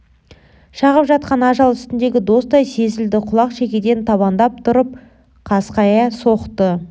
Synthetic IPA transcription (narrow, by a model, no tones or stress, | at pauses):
ʃɑʁəpʒɑt̪̚qɑnɑʒɑlˠʏst̪ɪnd̪e̞ɡʲɪd̪o̞sd̪ɑjse̞zɪld̪ɪqʰʊlˠɑqʃe̞kʲe̞d̪e̞nt̪ʰɑβɑnd̪ɑp̚t̪ʰʊɾəp̚ | qʰɑsqɑjɑso̞qt̪ə